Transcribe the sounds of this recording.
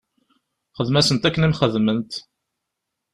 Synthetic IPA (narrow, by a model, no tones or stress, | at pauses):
χəðmæsənt̪ækːənæmχəðmənt̪